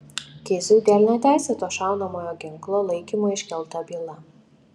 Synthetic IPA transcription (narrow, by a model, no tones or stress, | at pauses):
k̪ʲɪzʲuːd̪ʲæːlʲnʲɛt̪ʲæˑɪsʲɛt̪oːʃɑˑʊnɐmoːjoːɡʲɪŋklˠoːlˠɐɪkʲimoːɪʃʲkʲɛlˠt̪ɐbʲiːlˠɐ